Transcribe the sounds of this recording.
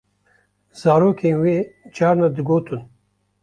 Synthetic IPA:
z̥aːɾoːkʰenwed͡ʒaːɾnad̪iɡoːt̪ʰun

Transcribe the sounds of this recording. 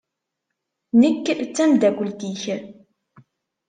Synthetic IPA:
nəkːt͡sːæmd̪æɡʷəlt̪iç

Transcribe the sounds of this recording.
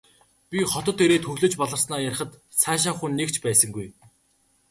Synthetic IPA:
pʲiχɔt̪ɞ̆t̪ːeɾeːt̪xɵɣɮɵ̆t͡ɕpɔɮɞ̆rsnaːjaɾ̆ə̆t̪ | saːʃ̬aːχunːekt͡ɕʰpæːsə̆ŋɡuj

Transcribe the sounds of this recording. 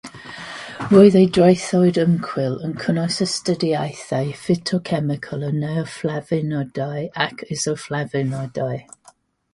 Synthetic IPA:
ɹojðejdɹajθɔjdəmkʰwɪlˠənkʰənɔjsəstədiajθajfɪtʰɔkʰɛmɪkʰəlˠənɛɔflavɪnɔdajakʰɪzɔflavɪnɔdaj

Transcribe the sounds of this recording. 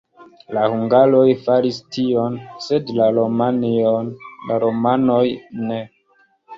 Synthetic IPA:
lahuŋɡalo̞jfalistio̞nse̞dlaɾomanionlaɾo̞mano̞jne̞

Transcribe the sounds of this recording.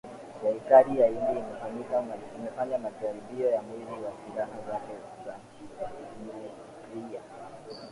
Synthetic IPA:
sɛɾikaɾijailɛimɛfaɲikamimɛfaɲamaʄaɾiɓiɔjamwiziwasilaɦazakɛ | zaɲ̩t͡ʃiaiini | ɾia̰

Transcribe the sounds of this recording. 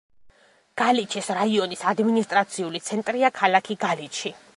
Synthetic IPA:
ɡ̥alit͡ʃʰisɾaiɔnisad̪minist̪ʼɾat̪sʰiulit̪sʰɛnt̪ʼɾiakʰalakʰiɡaliʃʰi

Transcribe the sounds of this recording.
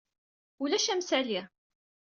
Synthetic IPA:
ulæʃæmsæli

